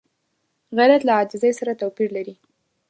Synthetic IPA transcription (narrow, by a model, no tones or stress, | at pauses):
ɣaɾat̪laɑd͡ʒɪzəjsaɾat̪awpiɾlaɾi